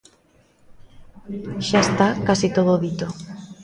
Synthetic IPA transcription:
ʃaest̪akasit̪oð̞oːðit̪o

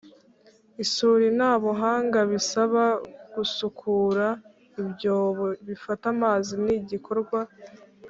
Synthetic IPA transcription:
isuɾinaːβoɦaːŋɡaβisaβaɡ̥usukʰuːɾa | ibɟo̞ːβoβifatamaziniɟikʰo̞ɾɡwa

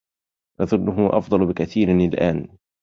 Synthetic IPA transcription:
ʔɑðˤʊnːʊɦʊwʔɑfd̪ˤɑlbɪkaθiːɾnɪlʔaːn

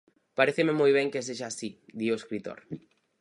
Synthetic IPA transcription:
paɾeθememojβ̞ɛŋkeseʒaːsid̪ioeskɾit̪o̰ɾ

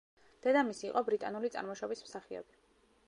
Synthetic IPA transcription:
d̪̥ɛd̪amisiːqʼɔbɾit̪ʼanulit̪sʼa̰ɾmɔʃɔbismsaχiɔ̰bi

